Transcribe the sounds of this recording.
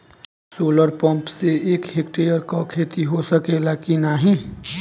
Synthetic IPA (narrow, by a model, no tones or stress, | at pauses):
soːləɾpə̃mpseeːkɦeːkʈejəɾkakʰeːt̪iɦosəkelakinaɦĩ